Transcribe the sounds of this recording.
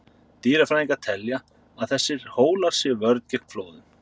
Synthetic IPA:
t̪iːɾafɾaiŋkḁt̪ʰɛlja | aðθɛsːɪɾ̥hoːwlaɾ̥sjɛvœɾt̪cɛkmfloːwðʏm

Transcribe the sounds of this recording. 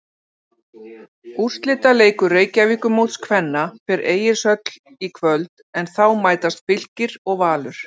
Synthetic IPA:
ur̥st̪lɪːt̪aleːjkʏreːjcaviːkʏmowt̪skʰvɛnːafɛɾʔeːjɪɾ̥sœt̪l | ikʰvœlt̪ | ɛnθawmaːjt̪ast̪fɪl̥cɪɾɔɣvaːlʏɾ̥

